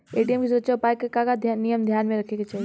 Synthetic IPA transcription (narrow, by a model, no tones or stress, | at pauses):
eːʈijəmkisuɾəksʃaupaːjkːekakad̪ʱnijəmd̪ʱjaːnmẽɾɐkʰeket͡ʃaːɦie